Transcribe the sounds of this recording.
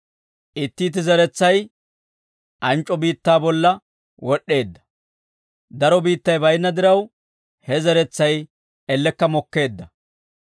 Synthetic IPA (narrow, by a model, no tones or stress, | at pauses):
ʔɪt̪ːiːt̪̬ːɪzɐɾɛt͡sːɐj | ʔɐnt͡ʃʼːɔbiːt̪ːaːbɔlːɐ | wɔɗːe̞ːd̪ːɐ̥ | d̪ɐɾɔbiːt̪ːɐjbɐjnːɐd̪ɪɾɐw | hɛzɐɾɛt͡sːɐj | ɛlːɛkːɐmɔkːe̞ːd̪ːɐ